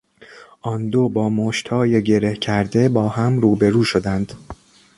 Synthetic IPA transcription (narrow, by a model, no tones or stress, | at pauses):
ʔɒnd̪o̞bɒːmoʃt̪hɒːje̞ɟe̞ɾe̞hcʰæɾd̪e̞bɒːhæmɾuːbe̞ɾuːʃo̞d̪ænd̪̥